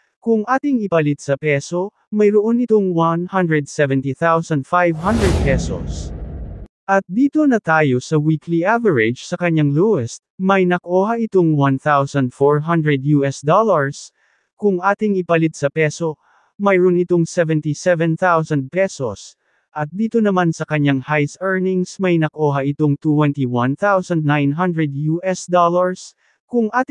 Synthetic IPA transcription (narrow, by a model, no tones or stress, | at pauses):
kʊŋʔaːt̪ɪŋɪpɐlɪt̪̚sɐpɛso̞ | mɐjɾoʔonɪt̪oŋwanhɐnd̪ɹɛd̪sɛvɛnt̪iθawsɐnd̪̚fajvɦɐ̃nd̪ɹɛd̪̚pɛso̰s | ʔɐt̪̚d̪iːt̪o̞nɐt̪aːjo̞sɐwiːkliʔavɛɹɪd͡ʒsɐkɐɲːaŋluɛst̪̚mɐjnɐkʔoːhaʔɪt̪oŋwɐnθawsɐ̃nd̪foɹɦɐnd̪ɹɛd̪juːɛsd̪olɐɹs | kʊŋʔaːt̪ɪŋɪpɐlɪt̪̚sɐpɛso̞ | mɐjɾonɪt̪o̞ŋsɛvɛnt̪isɛvɛnθawsɐnd̪̚pɛsos | ʔɐt̪̚d̪iːt̪o̞nɐmansɐkɐɲːaŋhajsʔɛɹnɪŋsmɐjnɐk̚ʔoːɦɐʔɪt̪oŋt̪utwɛnt̪iwɐnθawsɐnd̪̚najnɦɐnd̪ɹɛd̪juʔɛsd̪olɐɹs | kʊŋʔaːt̪